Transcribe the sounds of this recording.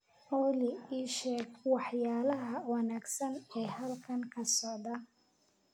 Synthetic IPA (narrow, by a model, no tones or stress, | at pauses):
ʔɔːlɪiːʃɛːɡwɑħjaːlɐɦɐwɑnaːɡsɐnɛːɦɐlkʰɐŋkʰɐsɔʕd̪ɐ